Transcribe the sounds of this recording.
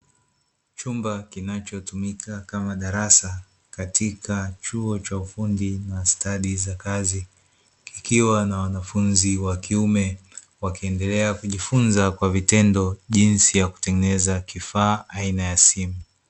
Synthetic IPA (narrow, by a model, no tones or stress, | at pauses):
t͡ʃumbakinat͡ʃɔtumikʰakamaɗaɾasa | katikʰat͡ʃuɔt͡ʃaufundinastaɗizakazi | kikiwanawanafunziwakiumɛ | wakiɛndɛlɛakuʄifunzakwavitɛndɔʄinsijaku̥tɛŋɡɛnɛzakifaːʔainajasimu